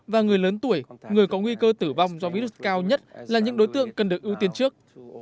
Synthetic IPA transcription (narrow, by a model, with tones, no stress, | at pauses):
vaː˨˩ŋɨ˨˩əjləː˨˦nt̪u˧˩əjŋɨ˨˩əjkɔ˨˦ŋwi˧kəː˧t̪ɨ˧˩va˧˩wŋ͡mzɔ˧vi˧ɾu˦˥s̚kaː˧wɲə˦˥t̚laː˨˩ɲɨ̰˧˥ŋɗo˨˦jt̪ɨ̰˧˨əŋkə˨˩nɗɨ˨˩ək̚ʔi˧wt̪i˧ənt͡ɕɨ˦˥ək̚